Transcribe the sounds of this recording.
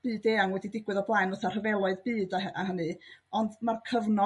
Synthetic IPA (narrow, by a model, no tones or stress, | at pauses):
b̥ɨːdeːaŋwɛdidɪɡwɨðɔblˠaɨnəθar̥əvɛlˠɔɨðbɨːdaʔaɦənɨɔndmarkʰəvnɔ